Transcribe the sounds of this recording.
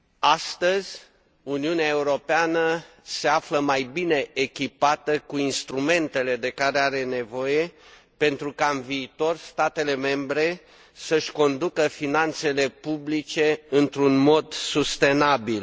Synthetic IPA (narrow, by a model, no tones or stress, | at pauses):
ast̪əzʲ | uniuneae̞uɾo̞peanə | se̞afləmajbine̞ʔːkʲipat̪əkuinst̪ɾume̞nt̪e̞le̞d̪e̞kaɾeaɾe̞ne̞vo̞je̞ | pe̞nt̪ɾukaɨnviːt̪o̞rst̪at̪e̞le̞me̞mbɾe̞ | səʃʲko̞nd̪ukəfinant̪se̞le̞publit͡ʃe̞ɨnt̪ɾunmo̞d̪sust̪e̞nabil